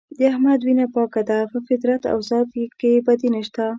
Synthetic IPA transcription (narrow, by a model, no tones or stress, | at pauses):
d̪əahmad̪winapɑkad̪apəfɪt̪ɾat̪a̰wzɑd̪kebad̪inəʃt̪a